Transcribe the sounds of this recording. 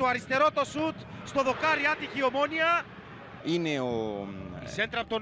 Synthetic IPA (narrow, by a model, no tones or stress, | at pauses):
t̪oɐɾist̪e̞ɾot̪osut̪st̪oðokaɾiat̪içiomoniɐ | ineoisent̪ɾɐp̚t̪o